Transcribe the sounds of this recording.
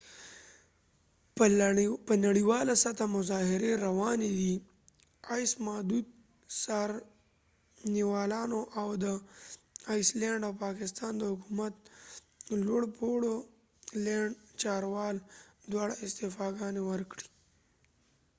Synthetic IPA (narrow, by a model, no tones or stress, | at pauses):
pənaɽiwɑlasat̪ʰamʊzɑɦɪɾeɾawɑned̪i | ajsmad̪ut̪̚ | saɾ | niwɑːlɑnoʔawd̪ə | ajsleɳɖawpɑːkɪst̪ɑnd̪əhʊkumat̪̚ | lwoɽpoɽo | lɛɳɖt͡ʃɑːɾwɑːld̪wɑːɽaɪst̪ɪfɑɡɑnewəɾkɽi̥